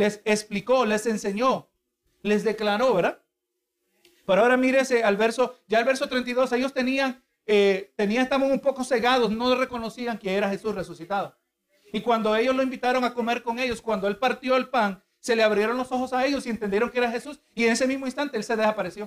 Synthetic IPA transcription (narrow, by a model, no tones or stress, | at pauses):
lesekspliko̞le̞se̞nse̞ɲo̞ | le̞zd̪e̞klaɾo̞βeɾða | peɾoaoɾamiɾesealβe̞ɾso̞ɟ͡ʝaːlβe̞ɾsot̪ɾe̞nt̪aiðo̞se̞ʝost̪e̞niaŋ | et̪e̞niaŋest̪amosumpo̞ko̞se̞ɣað̞osno̞lre̞ko̞no̞siaŋkeeɾaxe̞susre̞susit̪aðo | ikwand̪o̞e̞ʝo̞slo̞imbit̪aɾo̞ŋako̞me̞ɾko̞ŋe̞ʝo̞skwand̪o̞e̞lpaɾt̪jo̞elpaŋ | se̞le̞aβɾje̞ɾo̞nlo̞so̞xo̞saeʝo̞sie̞nt̪e̞nd̪jeɾo̞ŋkeeɾaxe̞sus | iene̞se̞mizmoĩnst̪ant̪e̞else̞ðesapaɾesjo̞